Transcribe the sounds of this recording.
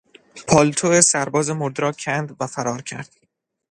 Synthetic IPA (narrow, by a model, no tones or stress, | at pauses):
pʰɒːlt̪ʰoesæɾbɒːzemoɾd̪ɾɒːcʰænd̪væfæɾɒːɾcʰæ̰ɾd̪̥